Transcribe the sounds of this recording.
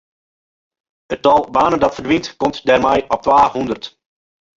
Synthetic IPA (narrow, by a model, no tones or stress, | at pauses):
ətɑlˠbaːnəndɑtfərdʋintkɔmtdɛːrmɛjɔp̚tʋaːhundərt